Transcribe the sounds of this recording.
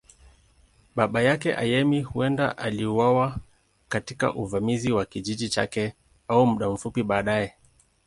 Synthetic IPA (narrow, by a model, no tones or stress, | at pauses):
ɓaɓajakɛ̰ʔa̰jɛmihuɛnda̰ʔaliuwawa | katika̰ʔuvamiziwakiʄiʄit͡ʃa̰kɛ | aumuɗam̩fupiɓaːɗaɛ